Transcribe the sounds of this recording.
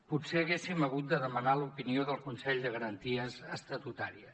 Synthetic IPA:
putseəɣesiməɣ̞ut̪̚d̪əðəmənalupinioðəlˠkunsɛʎd̪əɣəɾənt̪iəzəst̪ət̪ut̪aɾiə

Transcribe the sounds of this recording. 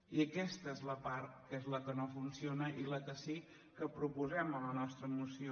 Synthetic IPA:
iəkɛst̪əezləpaɾt̪̚kezləkənofunsionəʔiləkəsi | kəpɾupuzɛmələnɔst̪ɾəːmusio

